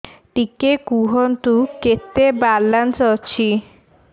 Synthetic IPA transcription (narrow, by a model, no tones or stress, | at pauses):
ʈikekuɦont̪uket̪ːebaɾlansɔt͡ɕʰi